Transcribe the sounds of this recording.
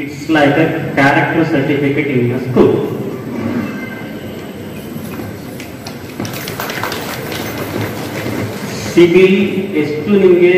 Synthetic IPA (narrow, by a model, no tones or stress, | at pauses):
iʈslajkɐɾkaːɾek̚ʈɐɾsɐɾʈifikeʈinnɐskuːl | sibiesʈuniŋɡe